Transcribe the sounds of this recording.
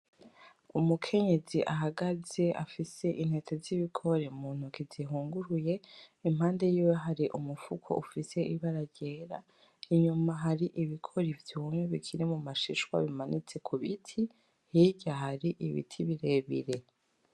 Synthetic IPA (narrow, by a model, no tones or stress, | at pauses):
umukʰe̞ɲe̞ziʔaɦaɡaze̞ʔa̰fise̞ʔin̥he̞tʰeziβikʰo̞ɾeumuːn̥hukiziɦuːŋɡuɾuje̞imhaːnde̞juwaɦaɾiʔumufukʰo̞̰ʔufise̞ʔiβaɾaɟe̞ːɾa̰ | iɲumaɦaɾiʔiβikʰo̞ɾivjuːmeβikʰiɾimumaʃiʃwa̰βimanit͡se̞kʰuβitʰi | hiɟahaɾiʔiβḭtʰiβiɾe̞ːβḭɾe̞